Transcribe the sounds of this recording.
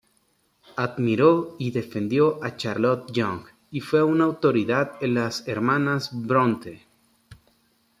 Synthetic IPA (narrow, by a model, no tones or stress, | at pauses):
aðmiɾoiðe̞fe̞nd̪jo̞ʔat͡ʃaɾlot̪̚ʝoŋɡ | ifwe̞unawt̪o̞ɾiðaðenlaseɾmãnazbɾõnt̪e